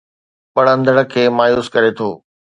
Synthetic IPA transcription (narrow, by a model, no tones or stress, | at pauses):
pɐɽə̃nd̪əɽə̆kʰeːmaːjuːskɐɾet̪ʰoː